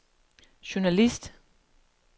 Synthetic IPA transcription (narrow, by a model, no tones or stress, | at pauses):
ɕunælisd̥